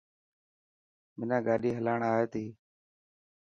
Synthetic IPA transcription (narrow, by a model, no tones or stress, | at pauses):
mɪnãːɡaːɗiːɦəlaːɳaːɦeːt̪iː